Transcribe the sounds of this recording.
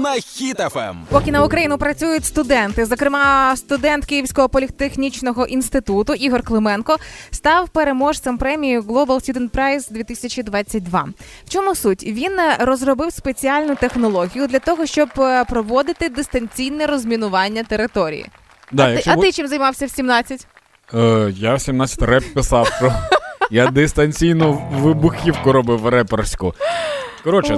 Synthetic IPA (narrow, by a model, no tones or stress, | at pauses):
nɐxʲit̪ɛfɛ̰mpɔkʲinɐʊkɾɐjinʊpɾɐt͡sʲujʊtʲst̪ʊd̪ɛnt̪ɪzɔkɾɪmɑst̪ʊd̪ɛnt̪kijiwsʲkɔɦɔpɔlʲit̪exnʲit͡ʃnɔɦɔʔinst̪ɪt̪ut̪ʊʔiɦɔrklˠɪmɛnkɔst̪ɑwpeɾemɔʃt̪ɐmpɾɛmʲijʊɡlˠɔbɐlˠsʲtʲud̪ɛnt̪̚pɾɛjzd̪ʲʋʲit̪ɪsʲɐt͡ʃʲid̪ʋɑt͡sʲːɐt̚ʲd̪ʋɑ̰w̥t͡ʃɔmʊsutʲʋʲinrɔzrɔbɪwspet͡sʲiɑlʲnʊt̪e̞xnɔlˠɔɦʲijʊd̪lʲɐt̪ɔɦɔʃt͡ʃɔbpɾɔʋɔd̪ɪt̪ɪd̪ɪst̪ɐnʲt͡sʲijnɛɾɔzʲmʲinʊʋɑnʲːɐt̪eɾɪt̪ɔɾʲḭjḭ | d̪ɑjɐkt͡ʃɐt̪ɪt͡ʃɪmzɐjmɑwsʲɐwsʲimnɑt͡sʲːɐtʲ | jawsʲimnɑt͡sʲːɐ̥t̪ʲrɛppːɪsɑwʃɔjad̪ɪst̪ɐnʲt͡sʲijnɔʋɪbʊxʲiwkɔɾɔbɪwrɛpɛrsʲkʊ | kɔɾɔt͡ʃɛ